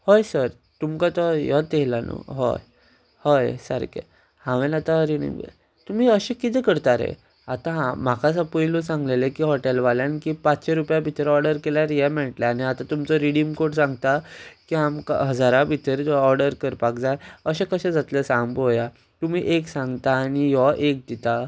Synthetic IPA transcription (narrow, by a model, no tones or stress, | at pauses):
hojsəɾ | t̪umkat̪ɔjɔt̪eɦlanṵɦɔ̰j | hɔjsə̰ɾkḛ | hãʋẽnat̪ãɾiɽḭm̰ | t̪um̤iːəɕekit̪ɛkəɾt̪aɾḛ | at̪ãɦam̤akasapujlosãŋɡlelekiːɦɔʈelʋaljankiːpat͡sɕeɾupjabʱit̪əɾɔɾɖəɾkelaɾjɛmɛʈljaañiat̪ãt̪umt͡sɔɾiɽimkoʈsãŋɡt̪akiamka̰ɦəd͡zaɾabʱit̪əɾɔɾɖəɾkəɾpakd͡zajəɕẽkəɕɛ̃d͡zat̪ləsãmboja | t̪um̤iːʔeksãŋɡt̪aːnijɔʔek̚d̪it̪a